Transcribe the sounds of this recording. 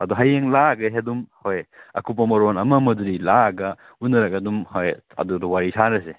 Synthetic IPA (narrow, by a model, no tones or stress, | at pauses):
ɐduɦajeŋlaɡɐɦedumhojɐ̰kup̬ɐmɐɾonɐmɐmɐdɾilaɡɐ | unɐɾɐkɐdumhoj | ɐ̰dudɐwaɾisʰanɾɐse